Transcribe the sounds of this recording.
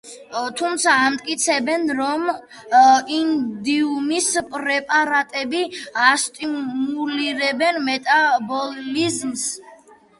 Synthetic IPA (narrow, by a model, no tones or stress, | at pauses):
t̪ʰumt̪sʰaːmt̪ʼkʼit̪sʰɛbɛnɾɔm | ind̪iumispʼɾɛpʼaɾat̪ʼɛbiast̪ʼiuliɾɛbɛnmɛt̪ʼabɔlizms